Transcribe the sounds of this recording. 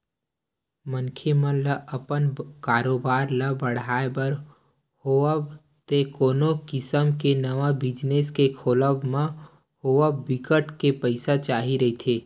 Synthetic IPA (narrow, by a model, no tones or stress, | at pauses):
mənkʰemə̃ləʔəpənkaːɾoːbaːɾləbəɽ̤aːebəɾ | hoəb | t̪ekoːnokɪsəmkenəʋabɪd͡ʒneːskekʰoːləbmã | hoːʋəːɪkəʈkepəɪsat͡ʃaːɦiɾɐɦit̪ʰeː